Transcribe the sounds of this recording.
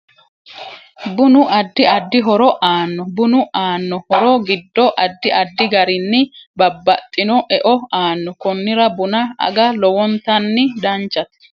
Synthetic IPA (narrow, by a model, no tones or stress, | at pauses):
bʊnʊʔɐd̪ːɪɐd̪ːɪɦɔɾɔʔaːnːɔbʊnʊʔaːnːɔhɔɾɔɡɪd̪ːɔʔɐd̪ːɪʔɐd̪ːɪɡɐɾɪnːɪbɐbːɐt̪ʼːɪnɔʔɛʔɔaːnːɔkɔnːɪɾɐbʊnɐɐ̰ɡɐlɔwɔnt̪ɐnːɪd̪ɐnt͡ʃːɐt̪